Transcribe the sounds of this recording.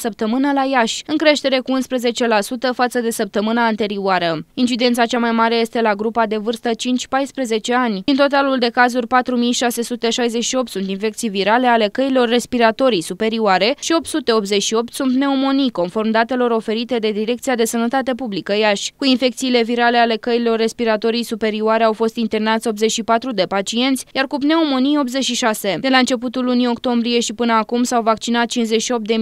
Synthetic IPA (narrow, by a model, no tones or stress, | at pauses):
səp̚t̪əmɨnəlajaʃʲɨŋkɾe̞ʃt̪e̞ɾe̞kuunspɾeze̞t͡ʃe̞lasut̪əfat̪səd̪e̞səp̚t̪əmɨnaːnt̪e̞ɾiuaɾəint͡ʃid̪e̞nt̪sat͡ʃamajmaɾe̞je̞st̪e̞laɡɾupad̪e̞vɨrst̪ət͡ʃint͡ʃʲpajspɾeze̞t͡ʃe̞anʲd̪int̪o̞t̪̬aluld̪e̞kazurʲpat̪ɾumijʃase̞sut̪e̞ʃajze̞t͡ʃʃio̞pt̪sunt̪infe̞kt̪sijviɾale̞ale̞kəilo̞rːe̞spiɾat̪o̞ɾisupe̞ɾiuaɾe̞ʃio̞p̚t̪sut̪e̞o̞p̪ze̞t͡ʃʃio̞p̚t̪sunt̪ne̞omo̞niko̞nfo̞rmd̪at̪e̞lo̞ɾo̞fe̞ɾit̪e̞d̪e̞d̪iɾe̞k̚t̪siad̪esənət̪at̪e̞publikəjaʃʲkuinfe̞k̚t̪siːle̞viɾale̞ale̞kəilo̞rːe̞spiɾat̪o̞ɾijsupe̞ɾiuaɾe̞awfo̞st̪int̪e̞rnat̪sʲo̞p̪ze̞t͡ʃʃipat̪ɾud̪e̞pat͡ʃie̞nt̪sʲjarkupne̞omo̞nijo̞pt̪ze̞t͡ʃʃiʃase̞d̪e̞laɨnt͡ʃe̞put̪ulːunio̞kt̪o̞mbɾie̞ʃipɨnəakumsawvak̚t͡ʃinat̪̚t͡ʃinze̞t͡ʃʃio̞pt̪d̪e̞